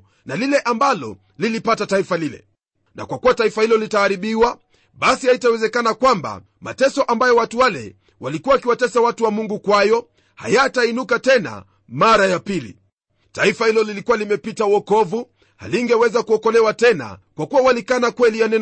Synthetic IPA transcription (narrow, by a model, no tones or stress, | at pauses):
nalilɛʔambalɔ̰ | lilipatataifalilɛ̰ | na̰kwakuwataifahilɔlitaːɾiɓiwa | ɓasihaitawɛzɛkanakwamba̰ | ma̰tɛsɔʔambajɔwatuwalɛ̰ | walikuwakiwatɛsawatuwamuŋɡukwajɔ | ha̰jatainukatɛna̰ | maɾajapilḭ | taifahilɔlilikuwalimɛpitauɔkɔvu | ha̰liŋɡɛwɛzakuɔkɔlɛwatɛna̰kwakuwawalikanakwɛlijanɛn